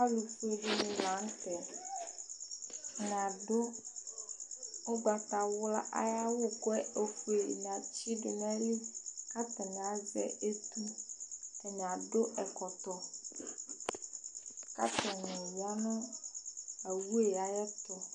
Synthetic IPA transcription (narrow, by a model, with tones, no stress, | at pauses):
a˦lu˨fe˦ɖi˦mĩ˨la˨˦ŋ˦t̪ɛ˨ | nɛ̃˨a˨ɖo˦ | o˦ɡ͡ba˨t̪a˨wʊ˦la˦ʔa̰˦ja˦wo˦kɔ˦ɛ˦e˨fe˨n˨a˨t͡ɕi˦ɖo˨mɛ˦a˦li˦ka˦t̪ɛ˨nɛ̃˨a˨vɛ̰˦e˦t̪u˦ | ɛ˨nɛ̃˨a˨ɖo˦ʔɛ˨kɔ˨t̪ɔ˦ | ka̰˦t̪ɛ˨nɔ̃˨ji˨a˦nɔ̃˦ | a˨wu˦e˨ja˨jɛ˦t̪ɔ˨